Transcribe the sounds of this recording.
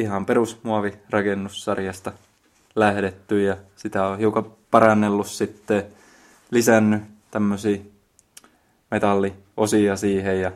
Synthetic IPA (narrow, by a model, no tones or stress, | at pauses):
ihɑmperusmuɑʋirɑkenːussɑrjɑst̪ɑ | læhɾet̪ːyjjɑsit̪æohiukɑpɑɾɑnːelːussit̪ːe | lisænːyt̪æmːøsiː | met̪ɑlːi | ʔosiɑsiːhejjɑ